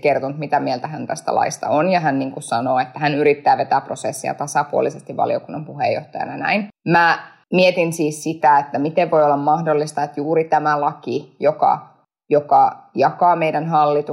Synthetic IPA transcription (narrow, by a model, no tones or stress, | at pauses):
kert̪ont̪mit̪æmielt̪æhænt̪æst̪æ̰lʔɑ̰ist̪ɑ̰onjɑɦænniːŋkussɑnoːet̪ːæhænyɾit̪ːæːʋet̪æːprosesːiɑ̰t̪ɑsɑpuo̰lisest̪iʋʋɑ̰lḭo̰kunːɑmpuhḛjːo̰ht̪ɑjɑ̰nɑnæ̰inmæ | miet̪insiːssit̪æet̪ːæmit̪eʋʋojolːɑmmɑhdolːist̪ɑet̪juːɾit̪æmælɑkijokɑ̰ | jokɑjɑkɑːmeidænhɑlːit̪u